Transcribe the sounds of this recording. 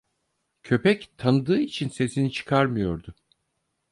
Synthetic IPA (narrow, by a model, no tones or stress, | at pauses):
cʰø̞pɛct̪ʰanɯd̪ɯːit͡ʃʰinse̞sinit͡ʃʰɯ̥kʰaɾmɯjo̞ɾd̪ʊ